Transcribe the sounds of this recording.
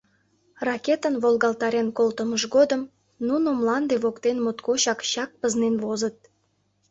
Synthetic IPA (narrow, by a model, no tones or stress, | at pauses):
rɑkʲet̪ənβolɣɑlt̪ɑɾenkolt̪əməʃɡod̪əm | nunomlɑnd̪eβokt̪enmot̪koɕɑkɕɑk̚pəznenβozət̪̚